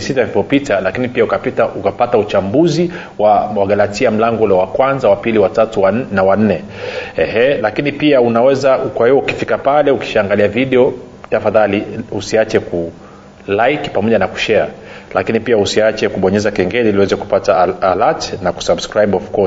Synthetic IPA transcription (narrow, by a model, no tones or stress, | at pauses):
sitaifɔpitalakinipiaukapitaukapataut͡ʃambuzi | wawaɡalatiam̩laŋɡɔlɛwakwanzawapiliwatatunawan̩nːɛ | ɛhɛlakinipiaunawɛzakwahiwɔuki̥fikapalɛuki̥ʃaːŋɡaliaviɗɛɔ | tafaðaliusiat͡ʃɛku | lajki̥pamɔʄanaku̥ʃɛa̰la̰kinipiausiat͡ʃɛkuɓɔɲɛzakɛŋɡɛliliwɛzɛku̥pataːlatnaku̥sabskɾaiɓɔfkɔ